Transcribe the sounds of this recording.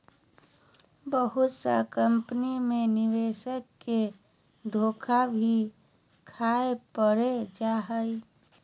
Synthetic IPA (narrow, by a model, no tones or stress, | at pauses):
bəɦut̪sə̰kəmpənimeniʋesəkːe | d̪ʱokʰabʱi | kʰaepəɾed͡ʒaɦəj